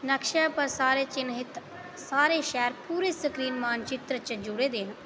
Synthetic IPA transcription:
nəkʃapɐɾsaːɾet͡ʃɪnɦɪt̪ | saːɾeːʃɛːɾpuːɾesəkɾiːnmaːnt͡ʃɪt̪ɾət͡ʃəd͡ʒʊɽeːd̪eːn

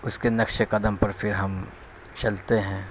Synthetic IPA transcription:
ʊskenɐkʃekɐd̪əmpɐɾfʰɪɾɦɐm | t͡ʃɐlt̪eɦɛ̃ː

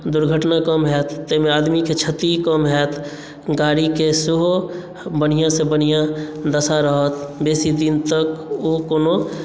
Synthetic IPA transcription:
d̪ʊɾɡʱəʈnakəmɦɛːt̪ːemẽaːd̪miket͡ʃʰət̪ikəmɦɛːt̪ | ɡaːɽikeseɦo | bənijãsebənijãd̪əsaɾəɦət̪beːsid̪ɪnt̪əkokoːno

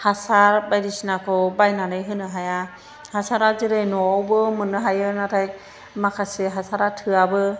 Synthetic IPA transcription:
hasaɾbajɾisinakʰɔbajnanɯjɦɯnɯɦaja | hasaɾazɯɾejnɔawbɯmɯnɯɦajɯnatʰajk̚ | makʰasiɦasaɾatʰɯabɯ

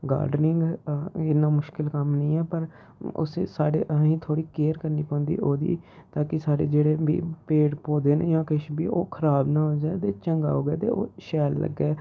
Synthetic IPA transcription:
ɡa̰ːɾɖnɪŋɡɪnːãːmʊʃkɪlkəmnəĩːɛːpəɾ | ʊ̰seːsaːɽeːʔəĩːt̪ʰoːɽiːkeːəɾkəɾniːpãːnd̪ḭːʔoːd̪ḭːt̪aːkɪsaːɽḛːd͡ʒeːɽeːbḭːpeːɽpoːd̪eːnḛːd͡ʒãːkɪʃbiːʔoːkʰəɾaːbnãːɦoːd͡ʒaːt̪eːt͡ʃəŋɡaːɦoːɡɛːt̪ḛːʔo̰ːʃɛːlːə̰ɡːɛː

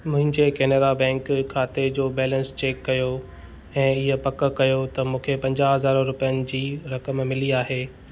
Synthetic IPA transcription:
mʊ̃ɦɪ̃ɲd͡ʑekɛːneːd̪abɛ̃ːŋkkʰaːt̪ed͡ʑoːbɛːlə̃nst͡ɕeːkːɐjo | ɛ̃ːɪɦəpɐkə̆kɐjot̪ɐmũːkʰepɐ̃ɲd͡ʑaːɦɐzaːɾoɾʊpijənɪ̆d͡ʑiːɾɐkəmmɪliaːɦeː

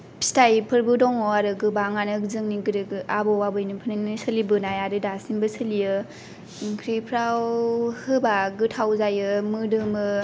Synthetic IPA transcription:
stajpʰɯɾbɯdɔŋɔaɾɯɡɯbaŋanɯk̚zɯŋniɡɯɾɯɡɯabɔwabɯjnɯpʰɯnɯnɯsɯlibɯnajaɾɯdasinbɯsʰɯlijɯ | kʰɾipʰɾawhɯbaɡɯtʰawzajɯmɯdɯmɯ

